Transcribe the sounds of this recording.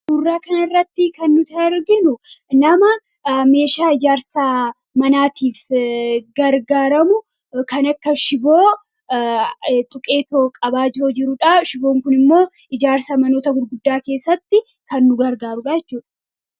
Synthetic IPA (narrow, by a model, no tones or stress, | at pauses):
b̥ʊrːaːkɐnɐɪrːɐt̪ːɪkɐnːʊt̪ɐɪɾɡɪnʊnɐmɐ | me̞ːʃaːɪd͡ʒaːɾsa | mɐnaːt̪iːf | ɡɐɾɡaːɾɐmʊ | kɐnɐkːɐʃɪbo̞ː | t̪ʼʊkʼe̞ːt̪oːkʼɐbaːd͡ʒoːd͡ʒɪɾʊᶑaʃɪbo̞ːŋkʊnɪmːo̞ː | ɪd͡ʒaːɾsɐmɐno̞ːt̪ɐɡʊɾɡʊd̪ːaːke̞ːsːɐt̪ːɪ | kɐnːʊɡɐɾɡaːɾʊᶑaːjɛt͡ʃːuːᶑɐ̥